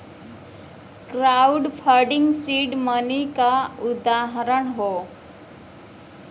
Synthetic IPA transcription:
kɾauɖfʰəɾɖiŋɡsiːɖmənikaud̪aɦəɾəɳɦo

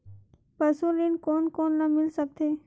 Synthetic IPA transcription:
pəsulinkoːnkoːnːəmɪlsək̚t̪ʰeː

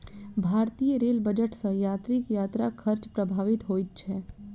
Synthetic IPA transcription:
bʱaːɾt̪iːjəɾeːlbəd͡ʒəʈsə̃jaːt̪ɾɪkjaːt̪ɾakʰəɾt͡ʃpɾəbʱaːʋɪt̪ɦoːit̪̚t͡ʃʰɛː

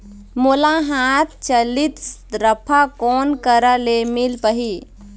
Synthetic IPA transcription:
molaɦat̪ʰt͡ʃəlit̪ɾəpʰakɔnkəɾəlemilpəɦi

